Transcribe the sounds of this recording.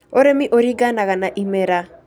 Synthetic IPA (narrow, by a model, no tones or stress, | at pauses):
oɾemiʔoɾiɡanaɣanaʔimɛɾa